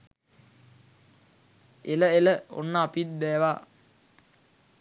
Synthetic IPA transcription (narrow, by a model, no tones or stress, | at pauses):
eləeləo̰nːəapit̪̚d̪ɛːʋa